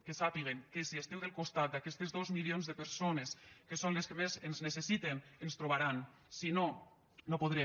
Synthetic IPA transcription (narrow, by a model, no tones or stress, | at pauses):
kesapiɣeŋkesiest̪ɛwðelkust̪at̪̚d̪akɛst̪ezðozmilionzðəpəɾsoneskesonleskemezenznesesit̪enenst̪ɾoβaɾan | sino | nopoðɾɛ